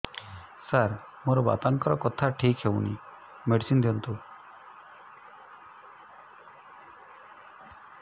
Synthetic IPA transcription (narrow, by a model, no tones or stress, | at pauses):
saɾ | moɾɔba̰t̪aŋkɔɾɔkɔt̪ʰaʈʰikɦewnḭ | meɖisind̪iɔnt̪u